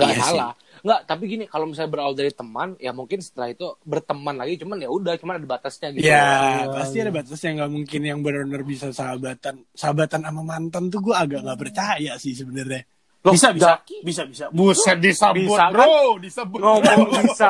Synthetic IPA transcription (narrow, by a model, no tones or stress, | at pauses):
ŋɡaʔalah | ŋɡaʔt̪ap̬iɡinikalomis̬ajabəɾaudaɾit̪əmanjamuŋkɪnsə̥t̪əlahit̪ubərt̪əmanlaɡit͡ʃumanjaudaht͡ʃumanadabat̪asɲaɡijapast̪iadabat̪asɲaŋɡaʔmuŋkɪnjaŋbənbənərbisasəɦabat̪an | səɦabat̪anamamant̪ant̪̬uɡuaːɡaʔŋɡaʔpərt͡ʃajasɪhsəbənərɲa | lɔbisabiabisabisabusɛdisabiɔaɾodisabŋɔbisa